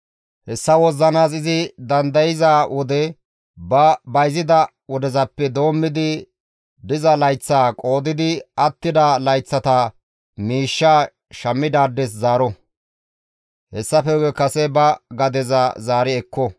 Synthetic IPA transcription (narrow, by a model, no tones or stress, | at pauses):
hɛsːɐwɔzːɐnaːs̬ɪzɪd̪ɐnd̪ɐjɪzaːwʔɔd̪ɛ | bɐbɐjzɪd̪ɐ | wɔd̪ɛzɐpːɛd̪o̞ːmːɪd̪ɪ | b̪ɪzɐlɐjt͡sːaːkʼo̞ːd̪ɪd̪ɪɐt̪ːɪd̪ɐlɐjt͡sːɐt̪ɐ | miːʃːaː | ʃɐmːɪd̪aːd̪ːɛs̬zaːɾɔ | hɛsːɐfɛɛkɐsɛbɐɡɐd̪ɛzɐzaːɾɪɛkːɔ